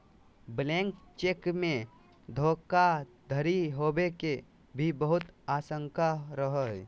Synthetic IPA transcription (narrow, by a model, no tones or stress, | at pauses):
blẽŋkt͡ʃeːkmẽ | d̪ʱoːkad̪ʱəɾiɦoːbeke | bʱibəɦʊt̪aːsə̃ŋkaɾəɦə